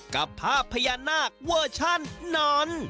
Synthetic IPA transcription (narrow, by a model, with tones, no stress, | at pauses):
ka˨˩pʰːaː˥˩pʰːa˧ja˧naː˥˩k̚wu˥˩t͡ɕʰa˥˩nːɔː˦˥n